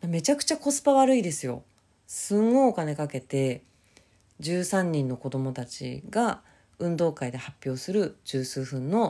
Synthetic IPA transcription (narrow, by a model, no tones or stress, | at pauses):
d̪ame̞t͡ɕakɯ̟̥t͡ɕako̞sɨ̥paβaɾɯ̟id̪e̞sɨjo̞̰ | sɨ̃ŋ̃oːkane̞kake̞t̪e̞ | d͡ʑɨːsãɲ̟ːĩnːo̞ko̞d̪o̞mo̞t̪at͡ɕḭɡa | ɯ̟̃nd̪o̞ːkaid̪e̞hapʲjo̞ːsɨɾɯ̟d͡ʑɨːsɨːɸɯ̟̃nːo̞